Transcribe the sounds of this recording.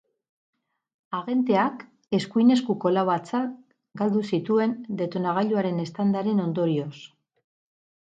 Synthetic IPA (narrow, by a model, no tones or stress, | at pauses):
aɣe̞nt̪e̞ak | e̞skujne̞skuko̞laβat͡sat̪̚ | ɡald̪usit̪ue̞nd̪e̞t̪onaɣaʎuaɾe̞ne̞st̪and̪aɾe̞no̞nd̪o̞ɾio̞s